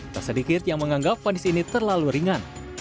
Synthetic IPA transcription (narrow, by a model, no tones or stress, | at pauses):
t̪asədikɪt̪̚jaŋməŋaŋɡap̚fanɪsinit̪ərlaluɾiŋan